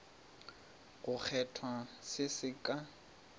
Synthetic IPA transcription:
ɣʊk͡xʰɛtʰwasɪsɪkʼa

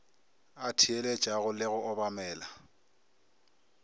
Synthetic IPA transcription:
atʰiele̥t͡ʃʼaɣʊlɪɣʊʔɔbamɛːla

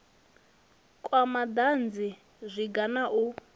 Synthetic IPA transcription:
kʼwamad̪and͡zi | zʷiɡanaʔu

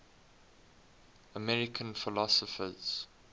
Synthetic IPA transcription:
əmɛɹɪkʰə̃nfɪlɔsəfəz̥

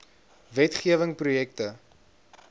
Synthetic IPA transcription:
vɛtχiəvəŋprujɛk̚tə

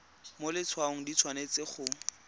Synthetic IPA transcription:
molɪt͡sʰwaʊŋ̩dit͡sʰwanet͡sɪχʊ

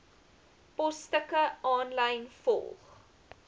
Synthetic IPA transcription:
pɔstəkəɑːnlɐjnfɔ̰lˠχ

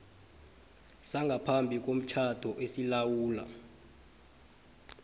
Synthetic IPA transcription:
saŋɡʱapʰambʱik̬om̩t͡ʃʰad̥ʱɔʔesilawuːla̰

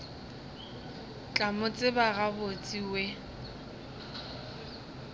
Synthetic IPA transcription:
t͡ɬʼamʊt͡sʼɪbaɣabot͡sʼiwɛ

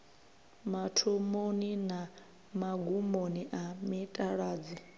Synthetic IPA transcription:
matʰomonina | maɡumoniʔamitʼaɺaːd͡zi

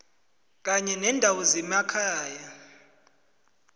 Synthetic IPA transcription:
k̬aɲɛnɛndʱawɔzɛmakʰaːja

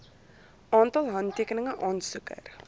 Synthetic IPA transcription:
ʔɑːntɐlˠɦɐntiəkənəŋəʔɑːnsukə̰r

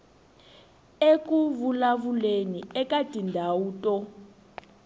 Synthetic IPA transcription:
ek̬ʼuvulaβuleniɛkʼadʼʱindʱawuːtʼɔ

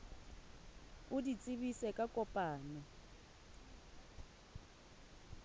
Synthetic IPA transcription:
udit͡sʼiβisɛkʼakʼɔpʼaːnɔ

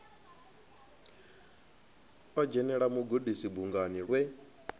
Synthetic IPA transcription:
ɔd͡ʒɛnɛɺamuɡudisibuŋɡaniɺwɛ

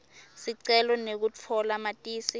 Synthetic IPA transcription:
siǀɛlɔnek̬ut͡fʰɔlamatʼiːsi

